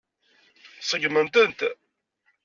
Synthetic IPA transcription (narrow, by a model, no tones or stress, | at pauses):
sˤəɡmənt̪ənt̪